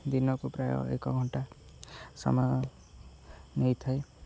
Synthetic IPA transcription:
d̪inɔkupɾajɔ̰ḛkɔɡʱɔɳʈa | sɔ̰mɔ | nejt̪ʰaj

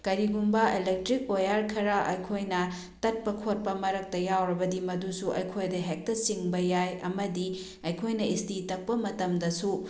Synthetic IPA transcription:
kɐɾiɡumbɐelek̚tɾik̚pojaɾkʰɐɾaʔɐjkʰojnɐ | tɐt̚pɐkʰot̚pɐmɐɾɐk̚tɐjawɾɐbɐdimɐdusuʔɐ̰jkʰojdɐɦek̚tɐsiŋbɐjajɐ̰mɐdi | ɐjkʰojnɐistitɐk̚pɐmɐtɐmdɐsu

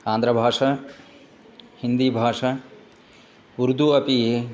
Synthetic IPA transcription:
ãːnd̪ɾɐbʱaːʂɐ | hind̪ibʱaːʂɐ | ʋuɾd̪ʱuɐpiɦe

